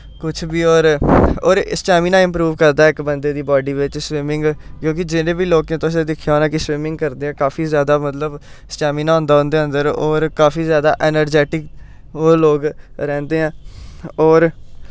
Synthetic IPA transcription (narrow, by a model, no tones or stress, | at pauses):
kʊt͡ʃʰbiːɔːɾɔːɾɪsʈɛːmiːnaːɪ̃mpɾuːʋkəɾd̪aːɪkbənd̪eːd̪iːbɔːɖiːʋɪt͡ʃswɪmɪ̃ŋɡkjõːk̬ɪd͡ʒɪnẽːbiːloːkẽːt̪ʊsẽd̪ɪkʰːjaɦoːnãːkɪswɪmɪ̃ŋɡ̚kəɾd̪eːɦɛ̃ːkaːfʰiːzjaːd̪aːmət̪ləb | sʈɛːmiːnaɔ̃ːnd̪aːɦʊ̃nd̪eːə̃nd̪əɾɔːɾkaːfʰiːzjaːd̪aːʔɛːnəɾd͡ʒɛːʈɪk | oːloːɡɾɛ̃ːnd̪eːɦɛ̃ːɔːɾ